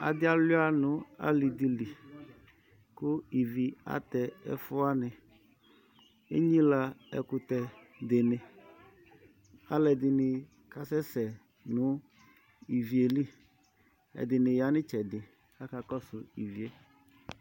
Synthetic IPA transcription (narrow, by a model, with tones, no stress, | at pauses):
a̰˨dɪ˦a˦lʊ˦a˦nʊ˨˦a̰˦li˨di˨li˨ | kʊ˦i˨vi˨a̰˦tɛ˨ɛ̰˦fʊ˦a˦nɪ˨ | e˦ɲi˦la˧ɛ̰˨kʊ˨tɛ˨ | dɪ˨nɪ˨ | a̰˦lɛ˨dɪ˨nɪ˨ | ka˨sɛ˦sɛ˨ | nʊ˦ | i˨vi˨e˨li˦ | ɛ̰˨dɪ˨nɪ˨ja˨˦nɪ˦t͡ʃɛ˨dɪ˨ | a˦ka˨kɔ˦sʊ˨ḭ˨vi˨e˦